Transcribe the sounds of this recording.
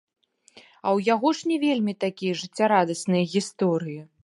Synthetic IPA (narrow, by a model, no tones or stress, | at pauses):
ɐwjaɣɔʂnʲɛvʲelʲmʲit̪akʲijɐʐɨt͡sʲːaɾad̪ɐsnɨjɐɣʲist̪ɔɾɨji